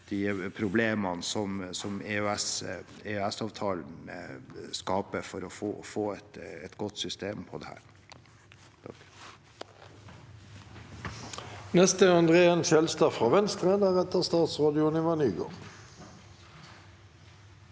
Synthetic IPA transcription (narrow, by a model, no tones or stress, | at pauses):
d̪̥ɪpʰɾʊbleːmɑnsɔmsɔmeøɛs | eøɛsɑːʋt̪ʰɑːln̩ | skɑːpəɾfɔɾɔfo̰ːfoːɛt̪ɛt̪ɡɔt̪ːsʏst̪eːmpʰɔd̪ɛhæ̰ːɾ | nɛst̪əɑnd̪ʁeːənʃɛlst̪ɑːfʁɑʋɛnst̪ʁeːd̪əʁɛt̪əʁst̪ɑːt̪sʁɑːd̪ɪʊnɪʋɑnyːɡo̰ːʁ